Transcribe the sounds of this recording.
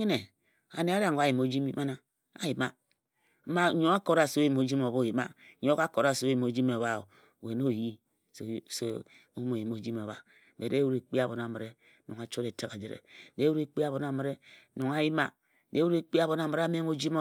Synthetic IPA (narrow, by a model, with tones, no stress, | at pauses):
i˦ne˨ | a̰˨ne˨a˦ɾa˨ŋ˨a˦ji˨m˨o˨˦d͡ʒi˦mi˦ma˦na˦ | a̰˨ji˨ma˦ | m̩˦ma˦o˦a˦ko˨ɾa˨so˦ji˨mo˨d͡ʒi˦mo˨bo˦˨ji˨ma̰˦ɲo˦ka˦ko˨ɾa˦˨so˦ji˨mo˨˦d͡ʒi˦me˨βa˦o˨ | we˨n˦o˦˨ji˦ | so˨˦so˦ | o˦mo˨ji˨mo˨d͡ʒi˦mo˨βa̰˨ | be˨e˦wu˦ɾe˨k͡pi˦a˨bo˨n˨a˨mi˨ɾe˦ | no˨ŋa˨t͡ʃo˦ɾe˨te˦ka˨d͡ʒe˨ɾḛ˨de˦wu˦ɾe˦k͡pi˦a˨βo˨na˨mi˨ɾe˦no˨ŋa˨ji˦ma˦ | de˦wu˦ɾe˦k͡pi˦a˦βo˨na˨mi˨ɾa˦me˦ŋo˦d͡ʒi˦mo˦